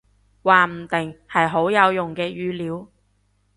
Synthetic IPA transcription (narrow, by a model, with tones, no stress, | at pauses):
waː˨m̩˨˩t̪ɪ˨˩ŋhɐ˨jɦo˨˥wjɐ˨˧wjʊ˨˩ŋkɛː˧jyː˧liː˨˥w